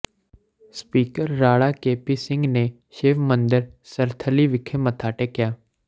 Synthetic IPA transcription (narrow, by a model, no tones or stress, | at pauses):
spiːkəɾːaːɽakeːpisɪ̃ŋɡne | ʃeːʋmə̃nd̪ɪɾsəɾt̪ʰəliʋɪkʰemət̪ʰaːʈekɪjaː